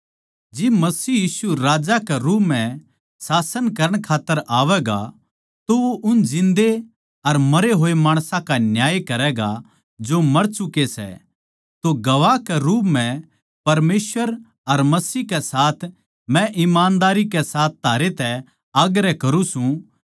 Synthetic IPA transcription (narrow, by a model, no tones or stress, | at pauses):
d͡ʒɪbmɐsiːjiːsuɾaːd͡ʒakɛɾuːpmɛ̃ | saːsənkɐɾəɽ̃kʰaːt̪ːəɾʔaːʋɛɡa̰ | t̪ooʔʊnd͡ʒɪ̃nd̪e | ɐɾmɐɾeɦoːemaːɽ̃sãkanjaːjkɐɾɛːɡa | d͡ʒomɐɾt͡ʃʊkesɛ̰ | t̪oɡɐʋakɛɾuːpmɛ̃ | pɐɾmeːsʋəɾ | ɐɾmɐsiːkɛsaːt̪ʰ | mɛ̃ʔɪmaːnd̪aːɾikɛsaːt̪̚ʰt̪aːɾet̪ɛ | aːɡɾɛkɐɾũsũ